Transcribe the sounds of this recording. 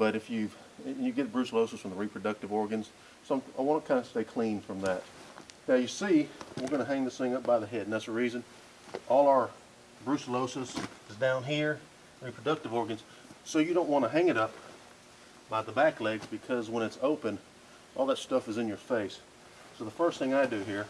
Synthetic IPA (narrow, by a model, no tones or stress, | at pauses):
b̥ʌɾɨfjʉṽ̥ | njɨɡɛt̚b̥ɹʉsəloʊsɨsfɹʌ̃m̩ðəɹipʰɹ̥ɨdʌk̚tɨvɔɹɡɨ̃nz̥ | soʊ̃aɪwɑ̃nəkʰãɪ̃ndɨsteɪkʰl̥ĩnfɹʌ̃mðɨt̚naʊjɨsiwəɹɡʌñɨɦæ̃ŋðɨsθɪ̃ŋʌp̚b̥aɪðɨɦɛdn̩ðætsəɹizɨ̃n | ʔɔlˠəə˞ | bɹʉsəloʊsɨsɨzdãʊ̃nɦiɹ | ɹipʰɹ̥ɨdʌk̚tɨvɔɹɡɨ̃nz̥ | soʊjɨɾõʊ̃nʔ̚wɑ̃nɨɦæ̃ŋɨɾʌp̚ | b̥aɪðəbæklɛɡzbɨkʰʌzwə̃ñɨtsoʊpɨ̃n | ʔɔlˠðətstʌfɨzɨ̃njə˞feɪsː | oʊðəfɜ˞stθɪ̃ŋaɪdɨɦiɹ